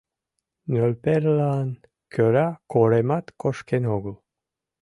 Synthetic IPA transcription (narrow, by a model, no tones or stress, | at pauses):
nølʲpeɾlaːn | køɾakoɾemat̪koʃkenoɡo